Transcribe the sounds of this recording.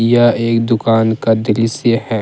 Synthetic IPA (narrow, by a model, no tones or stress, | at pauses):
jaeːkd̪ʊkaːnkad̪ɪlisehɛ̃ː